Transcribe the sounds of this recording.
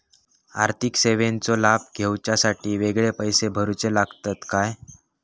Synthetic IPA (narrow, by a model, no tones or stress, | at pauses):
a̰ɾt̪ʰikseʋent͡solab̚ʱɡʱewt͡ɕjasaʈiːʋeɡɭepəjsebʱəɾut͡selaɡt̪at̪kaj